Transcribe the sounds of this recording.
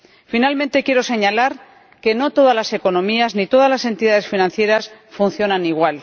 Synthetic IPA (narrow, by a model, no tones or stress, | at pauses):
finalmẽnt̪e̞kje̞ɾo̞se̞ɲalaɾ | ke̞no̞t̪o̞ðazlase̞ko̞nõ̞miaznit̪o̞ðazlase̞nt̪iðaðe̞sfinãnθje̞ɾasfunθjo̞naniɣ̞wal